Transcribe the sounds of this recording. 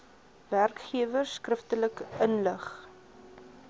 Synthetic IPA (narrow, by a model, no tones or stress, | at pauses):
værkχiəvərsːkrəftələkənləχ